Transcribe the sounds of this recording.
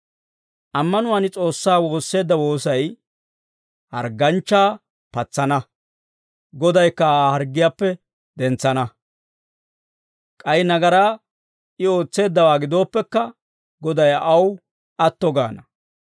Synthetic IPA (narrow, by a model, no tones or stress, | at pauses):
ʔɐmːɐnʊwanɪt͡sʼo̞ːsːaːwo̞ːsːe̞ːd̪ːɐwo̞ːsɐj | hɐ̰ɾɡɐnt͡ʃːaː | pɐt͡sːɐnɐ | ɡɔd̪ɐjkːɐaːhɐɾɡːɪjaːpːɛ | d̪ɛnt͡sːɐnɐ | kʼɐjnɐɡɐɾaː | ɪo̞ːt͡sːe̞ːd̪ːɐwaːɡɪd̪o̞ːpːɛkːɐ | ɡɔd̪ɐjɐw | ʔɐt̪ːɔɡa̰ːnɐ